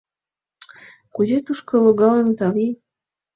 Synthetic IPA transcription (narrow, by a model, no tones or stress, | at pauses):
kuzet̪uʃkɤ̆loɣɑlənt̪ɑβi